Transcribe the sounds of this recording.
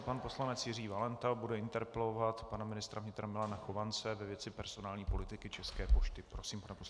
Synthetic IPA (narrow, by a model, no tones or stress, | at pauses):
panpo̞slanɛt͡sjɪriːvalɛnt̪abudɛɪnt̪ɛɾpɛlovat̪panamɪnɪst̪ɾavɲɪt̪ɾamɪlanaxovansɛvɛvjɛt͡sɪpɛɾz̥o̞naːlɲiːpo̞lɪt̪ɪkɪt͡ʃɛskɛːpo̞ʃt̪ɪpɾosiːmpanɛpos